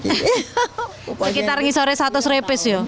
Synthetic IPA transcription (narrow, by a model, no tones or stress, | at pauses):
əkit̪aɾŋisɔɾesat̪ʊsɾepɪsjɔ